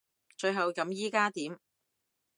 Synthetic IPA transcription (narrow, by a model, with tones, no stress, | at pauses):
t͡ʃɵ˧ɥɦɐ˨wkɐ˨˥mjiː˥kaː˥t̪iː˨˥m